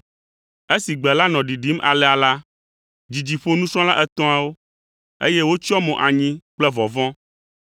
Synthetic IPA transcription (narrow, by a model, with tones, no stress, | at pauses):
e˦si˨ɡ͡bɛ˨la˦nɔ̃˨ɖi˨ɖi˦mʔa̰˨lɛ˨a˨la˦ | d͡ʑi˨d͡ʑi˨ɸo˦nũ˦sɾɔ̃˦la˦ʔɛ˦t̪ɔ̃˦a˨wo˦ | ḛ˦jɛ˦wo˦t͡ʃɔ˦mɔ̃˨ʔa˨ɲĩ˦k͡plɛ˦vɔ˨vɔ̃˦